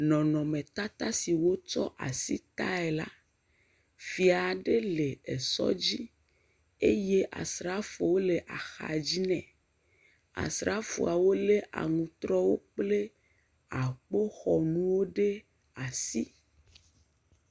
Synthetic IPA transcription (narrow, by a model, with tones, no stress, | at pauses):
nɔ̃˨nɔ̃˨mẽ˨t̪a˦t̪a˦si˨wo˦t͡ʃɔ̰˦ʔa̰˨sḭ˦t̪a˦e˨la̰˦ | fi˨a˨ɖe˦le˨e˨sɔ̰˦d͡ʑi˦ | e˦je˦ʔa̰˨sɾa˦fo˨wo˦le˨ʔa˨xa̰˨d͡ʑi˦nɛ̰̃˨ | a̰˨sɾa˦fṵ˨a˨wo˦le˦ʔa̰˨ŋũ˨t̪ɾɔ˦wo˦k͡ple˦ | a˨k͡po˦xɔ˨nũ˦wo˦ɖe˦ | a˨si˦